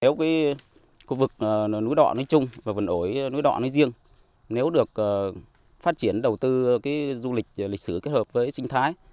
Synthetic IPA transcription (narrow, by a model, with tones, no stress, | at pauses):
ne˨˦wkaː˨˦j | xu˧vɨ˨˩k̚ə˨˩nu˨˦jɗɔ̰˧˨nɔ˨˦jt͡ɕʊ˧ŋ͡mvaː˨˩və˨˩nʔo˧˩jnu˨˦jɗɔ̰˧˨nɔː˨˦zi˧əŋ | ne˨˦wɗɨ˨˩ək̚ʔəː˨˩ | faː˦˥t̚t͡ɕi˧˩ənɗə˨˩wt̪ɨ˧kaː˨˦jzu˧lï˨˩k̚li˨˩k̟̚sɨ˧˩ke˦˥t̚həː˨˩p̚vəː˨˦jt͡ɕï˧ŋ̟t̪ʰaː˨˦j